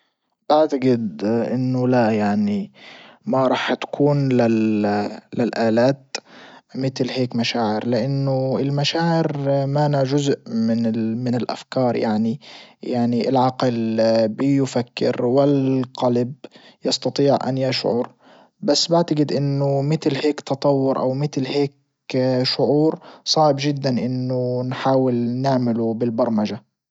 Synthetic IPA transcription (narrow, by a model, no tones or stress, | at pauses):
baʕt̪aɡɪd̪ʔɪnːʊlajaʕnimaɾˤɑːħt̪ḁkʰuːnlɪ | lɪlʔaːlaːt̪ | mɪt̪lɦeːkmaʃaːʕɪɾlɪʔanːʊɪlmaʃaːʕɪɾmaːnaʒʊzʔmɪnmɪnɪlʔa̰fkɑːɾˤjaʕnijaʕniʔɪ̰lʕɑqlbɪjʊfakːɪ̰ɾwɪlqɑlabjɑst̪ɑt̪ˤiːʕʔa̰njaʃʕʊ̰ɾ | basːbaʕt̪aɡɪd̪ʔɪnːʊmɪt̪lheːkt̪ɑt̪ˤɑwːʊɾʔa̰wmɪt̪lheːk | ʃʊʕuːɾsˤɑːʕɪbʒɪd̪ːanʔɪnːʊnħaːwɪlnɪʕmɪlubɪlbɑɾˤmaʒa